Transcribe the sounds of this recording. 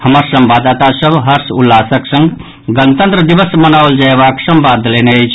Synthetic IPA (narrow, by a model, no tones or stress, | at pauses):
həməɾsəmbad̪at̪asəbʱɦəɾsulːasəksə̃ŋɡ | ɡənt̪ə̃nt̪ɾəd̪ibəsmənawəld͡ʒaebaksəmbad̪ʱleneəjt͡ʃʰ